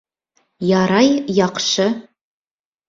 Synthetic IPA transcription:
jɑɾɑjjɑqʃɤ

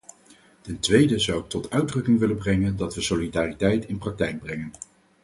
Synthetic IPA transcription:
tɛntʋejdəzʌwɪk̚tɔtʰœɥdrɵkɪŋʋɪləbrɛŋəndɑtʋəsolidaːritɛjtɪnprɑk̚tɛjɡ̚brɛŋən

